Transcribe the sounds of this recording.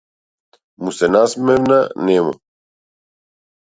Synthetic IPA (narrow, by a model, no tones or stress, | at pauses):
musɛnasmɛvnanɛmṵ